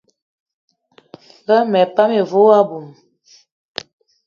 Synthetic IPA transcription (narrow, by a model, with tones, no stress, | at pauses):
ɣa˦mɛ˨pa˦me˨vo˦a˦bu˨m